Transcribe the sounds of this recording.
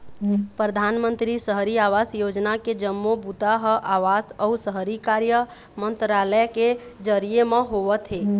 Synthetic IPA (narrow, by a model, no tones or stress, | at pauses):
pɾəd̪ʱanmənt̪ɾisəɦɾiaʋasjod͡ʒnaked͡ʒəmːobut̪aɦəʔaʋasəusəɦɾikaɾjə | mənt̪ɾaləjked͡ʒəɾijemẽɦoʋət̪ɦe